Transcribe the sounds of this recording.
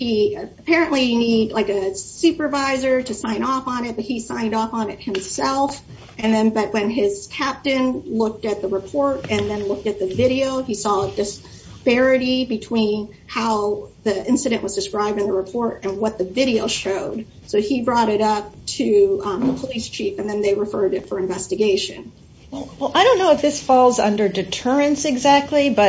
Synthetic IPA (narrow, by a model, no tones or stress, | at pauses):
hiəpʰɛɹɨ̃nʔlinidlaɪkɨsʉpə˞vaɪzə˞ɾɨsãɪ̃nɔfn̩ɪt̚b̥ʌt̚hisãɪ̃ndɔfn̩ɨt̚hɨ̃msɛlˠf | ɨ̃nðɨ̃nbʌʔ̚wɨ̃nɪz̥kʰæp̚tɨ̃nlʊk̚tɨt̪̚ðəɹɨpʰɔɹɾɨ̃nðɨ̃nlʊk̚tɨt̪̚ðɨvɪɾioʊisɔdɨs | pɛɹɨɾibɨtʰw̥ĩn | haʊðiɪ̃nsɨɾɨ̃nʔwʌzdɨskɹaɪb̚dɨ̃nðəɹɨpʰɔɹɾɨ̃nwʌt̪̚ðɨvɪɾioʊʃoʊd̥̚ | soʊibɹɔɾɨɾʌp̚tʰɨpʰəlist͡ʃʰifɨ̃nðɨ̃nðeɪɹɨfɜ˞ɾɨtfə˞ɨ̃ɱvɛstɨɡeɪʃɨ̰̃n | wɛlwɛlˠʔaɪɾõʊ̃nːoʊɨfðɪsfɔlˠzʌ̰̃ndə˞dɨtʰɜ˞ɨ̃nsɨɡzæk̚tʰˡlibʌ